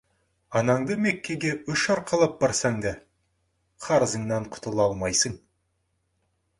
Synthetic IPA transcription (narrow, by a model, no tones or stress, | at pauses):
ɑnɑɴd̪əme̞kʲːe̞ɡʲeʏʃɑɾqʰɑlˠɑp̚b̥ɑɾsɑŋd̪ɑ | qʰɑɾəzəɴnɑɴqʰʊ̥t̪əlˠɑlˠmɑjsəɴ